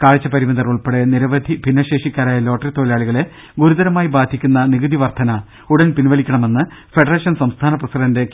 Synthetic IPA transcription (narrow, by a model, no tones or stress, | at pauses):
kaːɻit͡ɕːɐpɐɾimɐnd̪ɐruɭpeɽeniɾɐʋɐd̪ʱibʱinːɐɕe̞ːʂikʲːaːɾaːjɐlo̞ːʈːɐrit̪o̞ːilaːɭiɣɐɭe̞ | ɡuɾud̪ɐɾɐmaːjibaːd̪ʰʱikʲːunːɐniɣɐd̪ʱiʋɐrt̪ʰɐnɐ | uɽɐnpinʋɐɭikʲːɐɳɐme̞nːɨ | feɖɐreːʂɐnsɐmst̪ʰaːnɐprɐsidɐnde